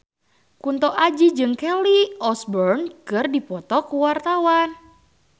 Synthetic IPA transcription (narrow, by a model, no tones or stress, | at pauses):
kunt̪ɔʔad͡ʒid͡ʒɨŋkɛliɔsbɔrnkɨrdipɔt̪ɔkuwart̪awan